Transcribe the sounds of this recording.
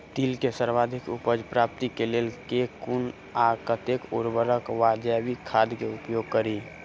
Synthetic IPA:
t̪ilkesəɾʋaːd̪ʱɪkʊpəd͡ʒpɾap̚t̪ikelelkekun | akət̪ekʊɾbəɾəkʋaːd͡ʒaʋikʰaːd̪keʊpjoːɡ̚kəɾi

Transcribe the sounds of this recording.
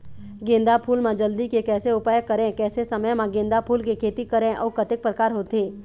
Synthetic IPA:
ɡẽːnd̪apʰuːlmãd͡ʒəld̪ikekɛːseʊpaːjəkɐɾẽkɛːsesɐməjmãɡẽːnd̪apʰuːlkekʰeːt̪ikɐɾẽʔɔ̰ːɾkət̪ɪk̚pɾəkaːɾɦoːt̪ɦeː

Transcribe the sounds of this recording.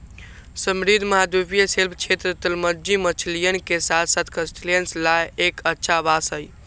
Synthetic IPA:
səmɾid̪ʱməɦad̪ubijəselpʰt͡ʃʰet̪ɾət̪əlməd͡ʒimət͡ʃʰlijənkesat̪ʰsət̪kəsʈilijənslajekətːʃʰabasəj

